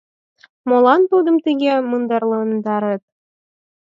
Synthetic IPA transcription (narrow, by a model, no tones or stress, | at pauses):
molˠɑnt̪ud̪ɤ̆mt̪iɡʲemɯnd̪ɑrlˠɤ̆nd̪ɑɾɤt̪̚